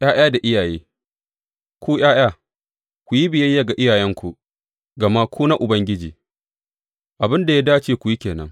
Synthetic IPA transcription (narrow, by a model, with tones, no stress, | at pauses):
jʔaː˦j̰aː˦da˨ʔɪ˦jaː˨jeː˦ | kʷuː˦j̰aː˦j̰aː˦˨ | kʷu˨ji˦bɪ˨jɐ˦jːa˨ɡa˨ʔɪ˦jaː˨jɛ˦ŋkʷu˨ | ɡɐ˨ma˦kʷu˦na˦ʔʊ˨bɐ˦ŋɡʲɪ˦d͡ʒḭː˨ | ʔa˨bɪ˦nda˨ja˦daː˦t͡ʃeː˦kʷʊ˨ji˦kʲeː˨nɐ̰˦ŋ